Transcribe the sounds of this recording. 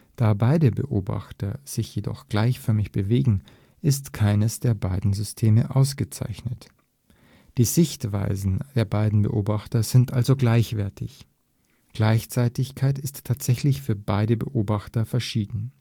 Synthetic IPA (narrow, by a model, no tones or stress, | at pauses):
d̥aːbaɪdəbə̰ʔoːba̰χtɐz̥ɪçjedɔ̰χɡ̥laɪçfœɐmɪçb̥əveːɡŋ̩ | ʔɪstkʰaɪnəsd̥eːɐbaɪdn̩zʏstʰeːməʔaʊsɡ̥ət͡sa̰ɪçnət | d̥iːzɪçtv̥a̰ɪzn̩d̥eːɐbaɪdn̩bə̰ʔoːbaχtɐzɪntʔalzoɡlaɪçv̥ɛɐtʰɪç | ɡ̥laɪçt͡saɪtɪçkʰaɪtɪstʰːaːtz̥ɛçlɪçfyːɐbaɪdəbə̰ʔoːbaχtɐfɛɐʃiːdn̩